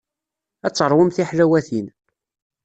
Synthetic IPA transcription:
æt͡sːəɾˤwəmθiħlæwæθin

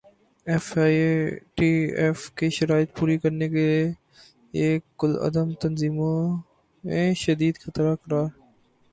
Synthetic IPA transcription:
ɛfaːʈiːɛːfkeʃɐɾaːɪt̪̚puːɾikəɾnekelie | eːʊlɐ̰d̪əmt̪ənziːmõ | mẽʃəd̪iːd̪xət̪ɾakəɾaːɾ

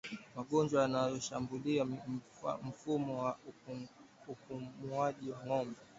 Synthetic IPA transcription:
maɠɔnd͡ʒwajanajɔʃambulia | m̩fumɔwa | ukumuaʄiwaŋɔmbɛ

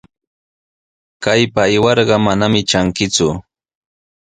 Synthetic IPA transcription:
kajpaːjwɑɾɢɑmanamɪt͡ʃaŋkɪt͡sʊ

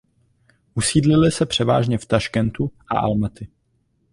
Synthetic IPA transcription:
ʔusiːdlɪlɪsɛpr̝̥ɛva̰ːʒɲɛft̪aʃkɛnt̪uʔa̰ʔa̰lmɛt̪ɪ

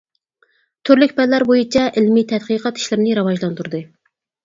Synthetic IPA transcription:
t̪ʰøɾlykʲpɛllːæɾbojit͡ʃʰɛʔɪlmit̪ʰɛt̪̚qɨqʰɑt̪i̥ʃlɪɾnɪɾɑwɑʒlˠɑnt̪uɾd̪ɨ

